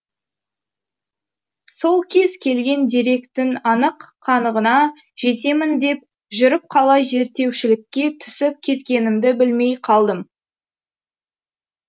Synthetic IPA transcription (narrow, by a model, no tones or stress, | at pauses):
so̞lˠkʲʰe̞z̥kʲʰe̞lɡʲe̞nd̪iɾe̞kt̪ɪnɑnəqːʰɑnəʁənɑʒe̞t̪e̞mɪnd̪e̞p̚ | ʒʏɾəp̚qʰɑlˠɑjʒe̞ɾt̪e̞wʃɪlɪkʲːe̞t̪ʰʏ̥sɪp̚kʲʰe̞t̪kʲe̞nɪmd̪ɪbɪlme̞jqʰɑlˠd̪əm